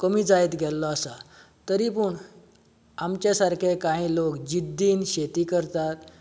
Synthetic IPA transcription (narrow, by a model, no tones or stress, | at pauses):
kəmiːd͡zaet̪ɡʱɛlːɔasa | t̪əɾipuɳ | amt͡ɕjasaɾkʰekaɦĩlokd͡ʑid̪ʱːiːnɕet̪iːkəɾt̪at̪